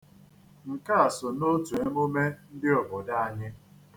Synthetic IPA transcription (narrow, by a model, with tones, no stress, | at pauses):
ŋ̩˨ka˦a˨so˨no˦tu˨e˦mo˦me˦n̩˦dɪ˦ɔ˨bʊ˨da˦a˦ɲɪ˦